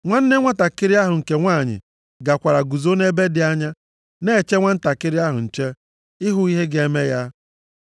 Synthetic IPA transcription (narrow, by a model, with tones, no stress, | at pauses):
ŋʷa˦n̩˦ne˦ŋʷa˦ta˨kɪ˦ɾɪ˦a˦ɦʊ˨ŋ̩˨ke˨ŋʷaː˦˨ɲɪ̰˨ | ɡa˨kʷa˨ɾa˨ɡu˨zo˦ne˦be˦dɪ˨a˦ɲa˦ | ne˦˨t͡ʃe˦ŋʷa˦n̩˦ta˨kɪ˦ɾɪ˦a˦ɦʊ̰˨n̩˨t͡ʃe˦ | ɪ˦ɦʊ˦i˦ɦe˦ɡe˦me˦ja˦